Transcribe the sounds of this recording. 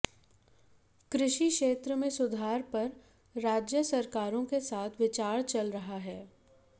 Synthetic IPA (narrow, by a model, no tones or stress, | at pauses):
kɾɪʃikʃeːt̪ɾəmẽsʊd̪ʱaːɾpɐɾː | aːd͡ʒjəsɐɾkaːɾõkesaːt̪ʰʋɪt͡ʃaːɾt͡ʃɐlɾɐɦaɦɛː